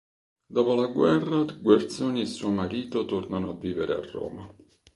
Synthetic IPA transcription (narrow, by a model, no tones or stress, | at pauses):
d̪ɔːpolaɡwɛrːaɡwart̪soːniesːuːomaɾiːt̪ot̪ornanoavːiːveɾea̰rːo̰ːma